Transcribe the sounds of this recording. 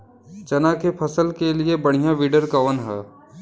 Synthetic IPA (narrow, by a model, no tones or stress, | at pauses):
t͡ʃɐnakepʰɐsəlkeliebɐɽ̤̃ijãʋiɖəɾkaʋənɦɛː